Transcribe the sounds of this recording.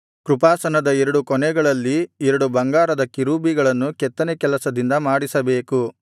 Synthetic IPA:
kɾupaːsɐnɐd̪ɐɛɾɐɽukɔnɛɡɐɭɐlːiɛɾɐɽubɐŋɡaːɾɐd̪ɐkiɾuːbiɡɐɭɐnːukɛt̪ːɐnekɛlɐsɐd̪ind̪ɐmaːɽisɐbe̞ːku

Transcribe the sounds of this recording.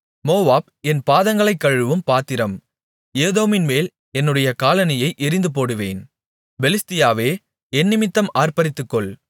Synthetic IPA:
moːʋaːb̚ | ɛnpaːðɐŋɡɐɭɐɪkːɐɻɯʋɯmpaːt̪ːɪɾɐm | eːðoːmɪnmeːl | ɛnːɯɽɐjɐkaːlɐnɐjɐɪʔɪɾɪnd̪ɯp̬oːɽɯʋeːn | bɛlɪst̪ɪjaːʋeː | ɛnːɪmɪt̪ːɐmaːrpɐɾɪt̪ːɯkːɔɭ

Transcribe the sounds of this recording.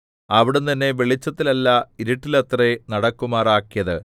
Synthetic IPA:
ɐʋiɽent̪ɐnːe̞ʋeɭit͡ɕːɐt̪ːilɐlːɐiɾiʈːilɐt̪renɐɽɐkːumaːraːkːijɐðɨ

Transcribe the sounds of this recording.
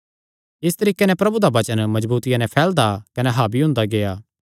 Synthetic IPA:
ɪst̪ɐɾiːkenɛ̃pɾɐbud̪aʋɐt͡ʃənmɐd͡ʒbuːt̪ɪjãnɛ̃pʰɛːld̪akɐnɛɦaːbiɦʊ̃nd̪aɡeːjaː

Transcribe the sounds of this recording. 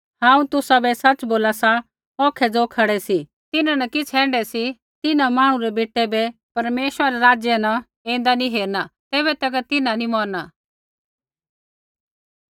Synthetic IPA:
hãːũt̪ʊsabɛsɐt͡ʃboːlasa | ɔ̃ːkʰɛd͡zoːkʰɐɽɛsi | t̪ɪnãnɐkɪt͡sʰɛ̃ːɳɖɛsi | t̪ɪnamãːɽ̃ũɾɛbeːʈɛbɛpɐɾmeːʃɾaɾɛɾaːd͡ʒjɛna | ẽːn̆d̪aniɦeːɾnat̪eːbɛt̪ɐkt̪ɪnãnimɔːɾna

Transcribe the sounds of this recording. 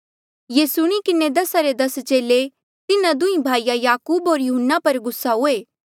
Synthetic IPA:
jeːsʊɽ̃ĩkɪned̪ɐsaɾed̪ɐst͡ʃeːle | t̪ɪnãd̪ʊĩbʱaːijajaːkuːbɦoːɾjʊɦənːapɐɾɡʊsːaɦʊeː

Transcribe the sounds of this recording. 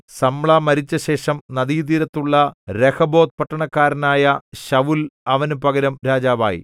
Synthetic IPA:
sɐmɭaːmɐɾit͡ɕːɐɕe̞ːʂɐmnɐðiːd̪iɾɐt̪ːuɭːɐɾekɐbo̞ːt̪̚pɐʈːɐɳɐkːaːɾɐnaːjɐɕɐʋulɐʋɐnupɐɡɐɾɐmɾaːd͡ʑaːʋa̰ːjḭ

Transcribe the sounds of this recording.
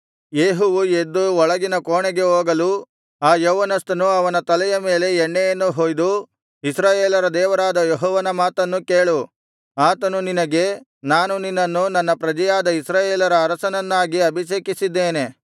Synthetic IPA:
jeːɦuʋued̪ːuɔɭɐɡinɐkoːɳɛɡe̞ɦoːɡɐlu | aːjoːʋɐnɐst̪ɐnuɐʋɐnɐt̪ɐlɛjɐme̞ːle̞ɛɳːɛjɐnːuɦoːjd̪u | isɾaːjeːlɐɾɐd̪ɛːʋɐɾaːd̪ɐjeɦɔːʋɐnɐmaːt̪ɐnːukeːɭu | aːt̪ɐnuninɐɡe̞ | naːnuninːɐnːunɐnːɐpɾɐd͡ʒɐjaːd̪ɐisɾaːjeːlɐɾɐːɾɐsɐnɐnːaːɡiɐbʱiʃeːkisid̪ːeːne̞

